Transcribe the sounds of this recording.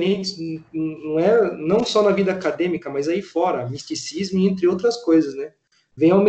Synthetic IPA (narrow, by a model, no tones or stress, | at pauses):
ɾẽt͡ʃɪ̥ñnɐ̃w̃ɛnɐ̃w̃sɔnɐvid̪ɐakad̪ẽmikɐmazaifɔɾɐmist̪isizmʊẽnt̪ɾɪowt̪ɾɐskojzɐsnɛ | vẽj̃awmẽ